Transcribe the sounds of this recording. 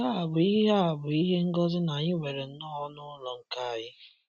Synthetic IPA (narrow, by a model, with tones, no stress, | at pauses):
a˦a˨bʊ˨i˦ɦɦa˦a˨bʊ˨i˦ɦe˦ŋ̩˦ɡɔ˦zʊ˦na˨ɲɪ˦wʷe˨ɾe˨n̩˦nɔ˦ɔ˦nʊ˦lɔ˨ŋ̩˨ka˦a˨jɪ˦